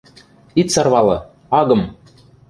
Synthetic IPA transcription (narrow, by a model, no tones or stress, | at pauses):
it̪sɑrβɑlˠɤ̰̆ | ɑɡɤ̆m